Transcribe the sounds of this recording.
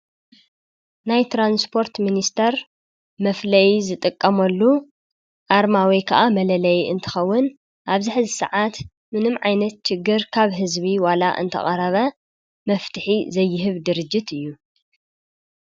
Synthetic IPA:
najt̪ʰɾanspʰo̞ɾt̪minist̪ʰɐɾ | mɐflɐjizɨt̪ʼɨkʼːɐmɐlːu | ʔaɾmawikʰɐʔamɐlɐlɐjɨ̰nt̪ʰɨ̥xɐwːʊn | ʔaβzɨħzisɐ̰ʕat̪ | mɨnɨmʕajnɐt̪t͡ʃɪɡːɨɾkʰaβɦɨzbiwala̰ʔɨ̰nt̪ʰɐ̰χʼɐɾɐβɐ | mɐft̪ʰɨħizɐjːɪɦɨβd̪ɨɾɨd͡ʒːɪt̪ɨjːu

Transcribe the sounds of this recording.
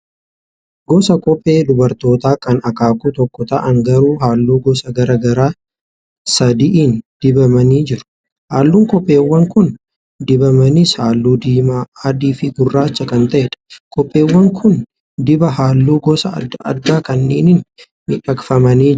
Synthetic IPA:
ɡɔsɐkʼɔpʼːeːd̪ʊbɐɾt̪o̞ːt̪aːkɐnɐkaːkuːt̪ɔkːɔt̪ɐʔɐŋɡɐɾuːɦaːlːuːɡɔsɐɡɐɾɐɡɐɾaː | sɐd̪iʔiːnd̪̥ɪbɐmɐniːd͡ʒɪɾʊ̥ | haːlːuːŋkʼɔpʼːe̞ːwːɐŋkʊn | d̪ɪbɐmɐnɪshaːlːuːd̪iːmaɐd̪iːfɪɡʊrːaːt͡ʃːɐkɐnt̪ɐʔɛᶑɐ̥kʼɔpʼːe̞ːwːɐŋkʰʊn | d̪ɪbɐɦaːlːuːɡɔsɐʔɐ̰ɾd̪aːkɐnːeːnɪn | mɪᶑɐkfɐmɐniː

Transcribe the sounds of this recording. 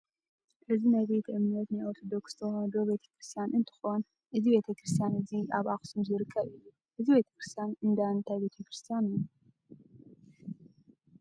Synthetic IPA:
ʔɨzinajβe̞t̪ʰiʔɨmnɐt̪najoɾt̪ʰod̪okst̪ʰoxɐd̪obe̞t̪ʰɐ̥kɾɨst̪ʰijanʔɨnt̪ʰɨ̥xo̞n | ʔɨzibe̞t̪ʰɐkɾɨst̪ʰjanɨziʔaβaxsumzɨɾɨkʰːɐβɨjːu | ʔɨzibe̞t̪ʰɐ̥kɾɨst̪ʰijanɨnd̪ant̪ʰajbe̞t̪ʰɐkɾɨst̪ʰijaniju

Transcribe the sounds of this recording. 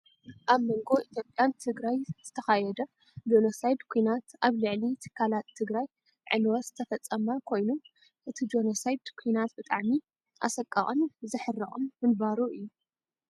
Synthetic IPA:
ʔaβmoŋɡo̞ʔit̪ʰjo̞pʼjant̪ʰɨɡɾajz̥ɨt̪ʰɐxajɛd̪ɐ | d͡ʒonosajd̪kʰujnat̪ʔaβlɨʕlit̪ʰɨ̥kʰːalat̪ʰːɨɡɾaj | ʕɨ̰nwɐz̥ɨt̪ʰɐfɐt͡sʼːɐmakʰo̞jnum | ʔɨt̪ʰid͡ʒo̞nosajd̪kʰujnat̪̚bɨt̪ʼaʕmi | ʔa̰sɐkʼːɐ̰χʼnzɨħɨrːɐχʼomːɨnbaɾuʔɨjːu

